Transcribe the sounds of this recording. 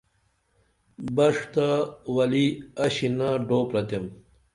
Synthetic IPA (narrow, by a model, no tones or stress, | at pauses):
bɐʂt̪awɐliɐɕinaɖoːpɾɐt̪em